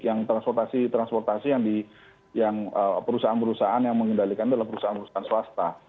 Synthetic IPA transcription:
jaŋt̪ɾanspɔrt̪asit̪ɾanspɔrt̪asijaŋdi | jaŋəpəɾusaɦanpəɾusaʔanjaŋməŋɡəndalikandalampəɾusaanpəɾusaanswast̪a

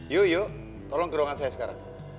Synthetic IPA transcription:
jojo | t̪ɔlɔŋkiɾaŋat͡sʰaeskaɾa̰

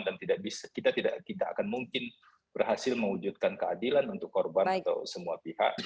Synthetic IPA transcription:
ndant̪idaʔ̚bisḁkit̪at̪ida̰ʔkit̪aʔa̰kanmuŋkɪn | b̥ərɦasɪlməŋwud͡ʒut̪̚kankəadilanunt̪ʊkːorbanat̪a̰wsəmuapiha̰ʔ

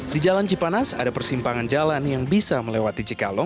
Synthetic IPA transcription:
did͡ʒalant͡ʃipanasa̰dapərsimpaŋand͡ʒalanjaŋbisaməlewat̪it͡ʃikalɔ

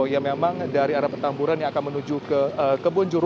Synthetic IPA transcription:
jamemaŋdaɾiaɾapət̪ampuɾanjaakanmənud͡ʒukəəkəbund͡ʒuɾ

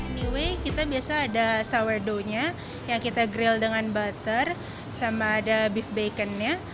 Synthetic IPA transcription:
niwekit̪abiasaːdasawərdoɲa | jaŋkit̪aɡɾɪldəŋanbat̪ər | samaːdabifbakənɲa

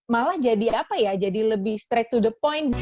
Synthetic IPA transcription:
malahd͡ʒadiapajad͡ʒadiləbɪhst̪ɾɛk̚t̪udəpɔjn̚

